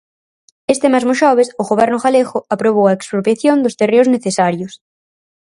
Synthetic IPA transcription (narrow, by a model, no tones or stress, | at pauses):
est̪emazmoʃɔβ̞esʊɣoβɛɾnʊɣaleɣʊapɾoβ̞owaekspɾopɾjaθjond̪oʊst̪ereʊzneθesaɾjʊs